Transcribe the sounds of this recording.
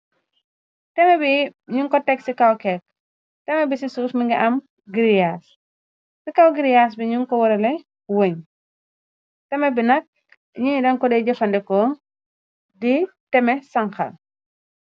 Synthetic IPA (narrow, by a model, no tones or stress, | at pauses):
tɛmɛbiɲuŋkɔtɛksikɐwkɛk̚ | tɛmɐbisisusmiŋɡɛʔɐm | ɡiɾijas | sikɐwɡiɾijaːs̬biɲuŋkɔwɐɾɐlɛ | woɲ | tɛmɐbinɐk̚ | ɲidɐŋkɔdɛɟɐfɐndɛkɔ | di | tɛmɛsɐŋxɐ̰l